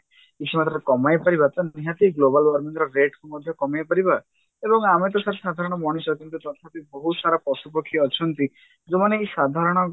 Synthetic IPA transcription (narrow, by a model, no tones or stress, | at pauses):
kit͡ʃʰimat̪ɾɔkɔmajpaɾibat̪ɔniɦat̪iɡlobalwɔɾmind̪ɾɔɾeʈkumɔd̪ʱjɔkɔmajpaɾiba | ebɔŋamet̪̬ɔsat̪ʰe̥sad̪ʱaɾɔɽ̃ɔbɔɽ̃isɔkint̪ut̪ɔt̪ʰapibɔɦut̪saɾapɔsupɔkʰːiɔt͡ʃʰɔnt̪i | d͡ʒomaneːsad̪ʱaɾɔɽ̃ɔ